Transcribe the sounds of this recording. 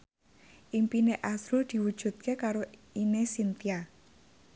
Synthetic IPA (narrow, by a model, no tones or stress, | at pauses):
ʔimpineʔasɾuld̪̥i̤wud̥ʒ̥ṳt̪̚kekaɾoinesint̪ia